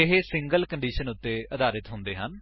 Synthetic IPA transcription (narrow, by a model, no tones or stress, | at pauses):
ɪɦeːsɪ̃ŋɡəlkəɳɖiːʃənʊt̪ːeːəd̪aːɾɪt̪ɦʊ̃nd̪eːɦən